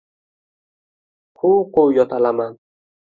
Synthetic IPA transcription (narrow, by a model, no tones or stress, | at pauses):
huqojɔt̪alaman